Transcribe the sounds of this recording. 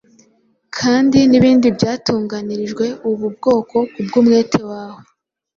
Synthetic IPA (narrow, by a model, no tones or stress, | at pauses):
kʰaːndiniβiːndibjaːtuːŋɡaniɾiʒɡwe̞ʔuβub̚ɡo̞ːko̞kub̚ɡumŋe̞ːtʰe̞waːho